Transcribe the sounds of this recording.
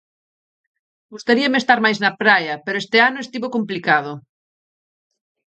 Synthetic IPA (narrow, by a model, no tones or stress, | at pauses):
ɡust̪aɾiɐmest̪aɾmajznɐpɾajɐpeɾoest̪eanoest̪iβokomplikað̞o